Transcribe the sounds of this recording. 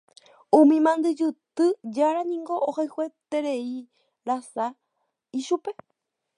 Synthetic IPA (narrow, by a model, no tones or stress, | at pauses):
ũmĩmãnd̪ɨd͡ʒɨt̪ɨd͡ʒaɾanĩŋɡo̞ʔohajhwe̞t̪e̞ɾe̞i | ɾasa | iʃupe̞